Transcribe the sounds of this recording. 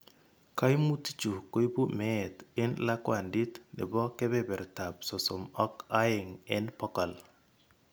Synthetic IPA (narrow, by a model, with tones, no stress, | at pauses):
ka˦jmu˦ti̥˦t͡ʃu˨ko˦i˦bu˦mɛ˦ɛ˨tɪ˦nla˦kwa˨ndi˦tnɪ̰˨bɔ˦kɛ˦bɛ˦bɛ˨ɾta˨p̚sɔ˨sɔ˨mɔ˦ka˦jɪ˨ŋɪ˦npɔ˦kɔ˨l